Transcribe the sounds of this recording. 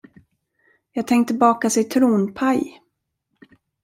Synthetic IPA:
jɑːɡ̚t̪ʰɛŋkt̪ʰːɪlbɑːkasɛt̪ʰɾuːnpʰaj

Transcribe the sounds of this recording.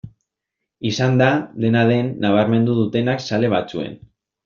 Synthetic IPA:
isand̪ad̪e̞naðe̞nːaβ̞aɾme̞nd̪uðut̪e̞naksale̞β̞at͡sue̞̰n

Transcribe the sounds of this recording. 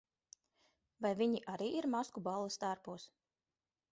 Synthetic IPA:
vajviɲiʔaɾiːʔiɾmaskubalˠɨst̪aɾpuːs

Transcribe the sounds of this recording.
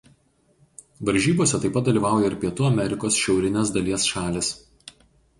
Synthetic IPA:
ʋɐɾʲʒʲiːboɔsʲɛt̪ɐɪpɐt̪d̪ɐlʲiːʋɑˑʊjɛɪɾʲpʲiɛt̪uːɐmʲɛɾʲɪkoːsʃʲɛʊɾʲɪnʲes̬d̪ɐlʲiɛsʃɑːlʲɪs

